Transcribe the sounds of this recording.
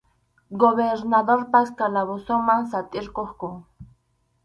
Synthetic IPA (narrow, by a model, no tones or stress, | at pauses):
ɡoβeɾnaðoɾpaskalaβosomaŋsat̪ʼɪɾkoχkʊ